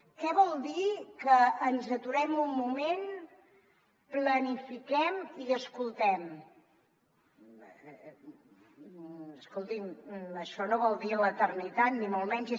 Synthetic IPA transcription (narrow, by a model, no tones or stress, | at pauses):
kɛβɔlˠd̪ikəːnzət̪uɾɛmumːumen | plənifikɛmiəskulˠt̪ɛm | əskolˠt̪iməʃɔnoβɔlˠd̪iələt̪ərnit̪at̪nimolˠmɛnz